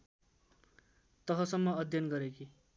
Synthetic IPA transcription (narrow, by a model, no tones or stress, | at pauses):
t̪ʌɦʌsʌmːʌːd̪ʱjʌnɡʌɾeki